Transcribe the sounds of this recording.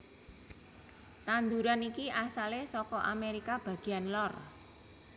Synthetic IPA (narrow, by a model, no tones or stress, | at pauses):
t̪and̪uɾanikiʔasalesɔkɔʔa̰meɾikab̥ä̤ɡ̥i̤anlɔr